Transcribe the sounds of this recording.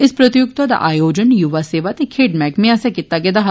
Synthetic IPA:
ɪspɾət̪ɪjʊkt̪aːd̪a̰ːʔaːjoːd͡ʒənjʊʋaːseːʋaːt̪eːkʰeːɖmɛːkmɛ̃ːəsɛkit̪ːaːɡɛd̪aːɦ

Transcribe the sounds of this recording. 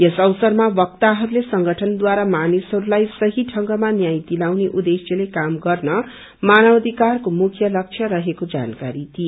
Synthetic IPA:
jʌsʌwsʌrmabʌk̚t̪aɦʌɾulesʌŋɡʌʈʰʌnd̪waɾamanisɦʌɾulajsʌɦiʈʰʌŋɡʌmanjajt̪ilawneʔud̪esjʌlekamɡʌrnʌ | manʌwʌd̪ʱikarkomukʰjʌlʌk̚t͡ʃʰjʌɾʌɦekod͡za̰nka̰ɾit̪ʰie

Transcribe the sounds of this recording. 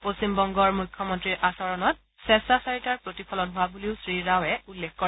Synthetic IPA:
posimbɔŋɡɔɹmujkʰːɔmɔntɹiʔasɔɹɔnɔt̚ | sɛsasaɹitaɹpɹotipʰɔlɔnɦʊwabuliʊsɹiɹawɛulːekʰkɔ

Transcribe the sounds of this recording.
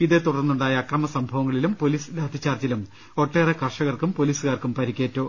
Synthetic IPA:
iðɨt̪uɽɐrnːuɳɖaːjɐːkrɐmɐsɐmbʱɐʋɐŋːɐɭilumpo̞liːslaːd̪ʱit͡ɕːaːrt͡ɕɐlum | o̞ʈːeːrɐkɐrʂɐɣɐrkumpo̞liːsɨkaːrkumpɐɾikʲːeːtːo̞ː

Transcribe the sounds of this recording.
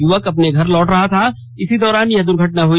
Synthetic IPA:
jʊʋəkɐpneɡʱɐɾlɔːʈɾɐɦat̪ʰa | ɪsid̪ɔːɾaːnjɐd̪ʊɾɡʱɐʈnaɦoːi

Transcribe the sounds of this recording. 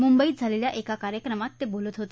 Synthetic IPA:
mumbəiːt̪̚d͡zʱaleljaʔekakaɾjəkɾəmat̪ːebolət̪ɦot̪e

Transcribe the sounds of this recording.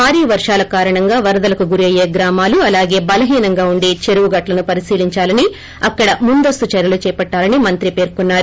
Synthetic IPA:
baːɾiːɐʋɐɾʂaːlɐkaːɾɐɳɐŋɡaːʋɐɾɐd̪ɐlɐkuɡuɾiɐjeːɡɾaːmaːluɐlaːɡe̞ːbɐlɐɦiːnɐŋɡaːuɳɖe̞ːt͡ʃeɾuʋuɡɐʈlɐnupɐɾisiːliɲt͡ʃaːlɐni | ɐkːɐɽɐmund̪ɐst̪ut͡ʃɐɾjɐlut͡ʃɛːpɐʈːaːlɐnimɐnt̪ɾipe̞ːɾkunːaːɾu

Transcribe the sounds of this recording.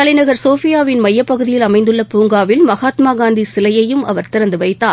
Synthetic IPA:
ɐɭɪnɐɣɐɾsoːfɪjaːʋɪnmɐjːɐpːɐɣɯðɪjɪlɐmɐɪnd̪ɯɭːɐpuːŋɡaːʋɪlmɐɣaːt̪maːɡaːnd̪isɪlɐjɐjɯmʔɐ̰ʋɐɾt̪ɪɾɐnd̪ɯʋɐɪt̪ːaː

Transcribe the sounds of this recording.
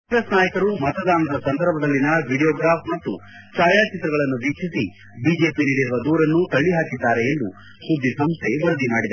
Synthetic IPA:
esnaːjɐkɐɾumɐt̪ɐd̪aːnɐd̪ɐsɐnd̪ʱɐɾbʱɐd̪ɐlːinɐʋʱiɽijɔːɡɾaːpʰmɐt̪ːu | t͡ʃaːjaːt͡ʃit̪ɾɐɡɐɭɐnːuʋiːkʂisi | biːd͡ʒe̞ːpiniːɽiɾuʋɐd̪uːɾɐnːut̪ɐɭːiɦaːkid̪ːaːɾe̞end̪u | sud̪ːisɐmst̪ʰe̞ʋɐɾɐd̪imaːɽid̪ɐ

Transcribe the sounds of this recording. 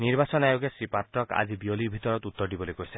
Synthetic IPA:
niɾbasɔnajoɡesɾipat̪ɾɔka̰d͡ʒibiolibʱit̪ɔɾɔt̪ut̪ːɔɾɖibɔlikoise

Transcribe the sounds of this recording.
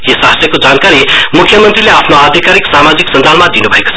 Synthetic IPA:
jisaɦəsjəkod͡zaːnkaɾimukʰjəmənt̪ɾileaːpʰnoad̪ʱikaːɾiksamad͡ziksənd͡zalmãd̪inubʱeko̥t͡sʰ

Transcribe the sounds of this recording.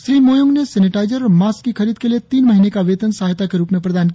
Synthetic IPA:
sɾimojuŋɡneseniʈaɪd͡ʒəɾːmaskːikʰəɾiːd̪̚keliet̪iːnməɦinekaʋet̪ənsɦajt̪akeɾuːpmepɾəd̪aːnk

